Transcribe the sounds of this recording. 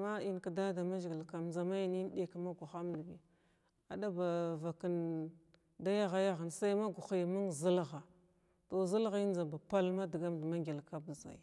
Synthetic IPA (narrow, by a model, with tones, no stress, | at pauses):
ma˦i˦nka˨da˦da˨ma˦ʒɡi˨lka˨mnza˨ma˦ji˨ni˦n˦ɗe˨kma˦ɡu˨xa˦mdi˨ɡi˨ | a˨da˦ba˨va˨ki˦n | da˦ja˦ɣa˨ja˦ɣa˨nsa˦i˦ma˦ɡu˨xi˨jmu˦ŋzi˦lɣa˨ | to˨zə˦lɣi˦nza˨ba˨pa˦lma˦di˨ɡa˦mdma˦ŋɡʲi˨lka˦bə˨za̰˨j